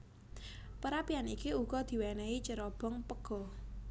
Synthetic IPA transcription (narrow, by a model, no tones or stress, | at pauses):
pəɾapianikiuɡ̥ɔd̪̥i̤wɛnɛit͡ʃəɾɔb̥ɔŋpəɡ̥ɔ̤